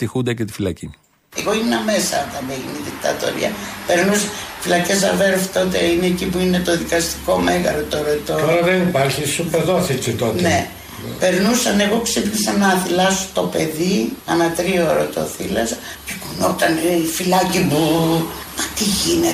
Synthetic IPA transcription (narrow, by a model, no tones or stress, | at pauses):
t̪ixund̪ɐcet̪i̥filɐcini | e̞ɣo̞inenɐme̞sɐnt̪ɐmeʝiniðikt̪ɐ̰t̪o̞̰ɾḭɐ̰pe̞ɾnusɐ̥filɐce̞sɐ̰veɾft̪o̞t̪eineːcipuinet̪o̞ðikɐst̪i̥ko̞me̞ɣɐɾot̪oɾot̪ot̪oɾɐðenipaɾçisupeðoɐsit͡sit̪ot̪ne̞ | pe̞ɾnusɐne̞ɣo̞ksipnisɐnɐθilɐso̥t̪o̞pe̞ðiɐnɐt̪ɾioɾo̰t̪o̞̰θilɐsɐ | cekunot̪ɐneifilɐcimu | mɐt̪iʝine